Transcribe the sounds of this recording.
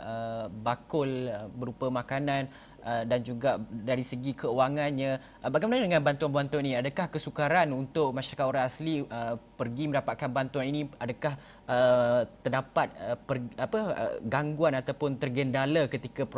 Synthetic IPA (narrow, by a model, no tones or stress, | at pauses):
əbakʊləbəɾupamãkanãn | ədand͡ʒuɡadaɾisəɡikʰəuwaŋanɲə̃ | baɡajmənadəŋãnbant̪uanbuant̪uaninĩadakahkəsukaɾanunt̪ʊʔ̚maʃaɾakat̪oɾãŋasliəpərɡimə̃ndapat̪̚kanbant̪uaninĩadakah | ət̪ːədapat̪̚əpərapəə̰ɡaŋɡuanat̪awpʊnt̪ərɡəndalakət̪ikap